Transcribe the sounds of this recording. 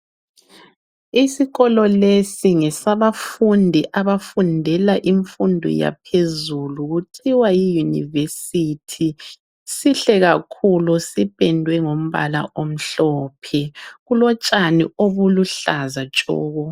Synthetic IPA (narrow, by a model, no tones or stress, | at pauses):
isiɣɔlɔlesiŋɛsaβafundʱiʔaβafundʱɛlaʔiɱfundʱɔ̰ja̰pʰezuluɣuǀiwajijunḭvesitʰi | siɬɛɣakʰulusipʼɛndʱwɛŋom̩βa̰la̰ʔom̩ɬɔːpʰɛɣulɔt͡ʃʼanioβuluɬazat͡ʃʼɔ̰ːɣɔ